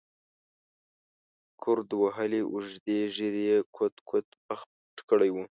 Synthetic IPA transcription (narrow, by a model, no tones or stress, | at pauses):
kʰʊɾd̪waɦəliʔuʒd̪eʒiɾjekʰot̪kʰot̪pax | ʈkəɽajwu